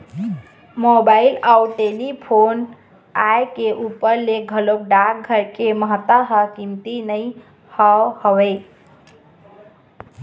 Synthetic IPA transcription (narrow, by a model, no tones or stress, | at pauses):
mobailawʈelipʰon | ajkeʔupəɾleɡʱəlok̚ɖak̚ɡʱəɾkeməɦət̪ːaɦəkimt̪inəj | hɔhəwɛ